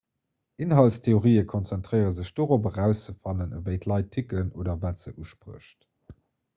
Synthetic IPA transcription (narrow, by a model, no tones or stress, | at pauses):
ʔinɦɑltstʰeoʁiːəkʰɔnt͡sɛntʁɜɪəʁəzəɕd̥oːʁopəʁæʊst͡səfɑlənəvəɪtʰlɑɪtʰːikənoːdɐvæːtz̥əʔuʃpʁṵəɕt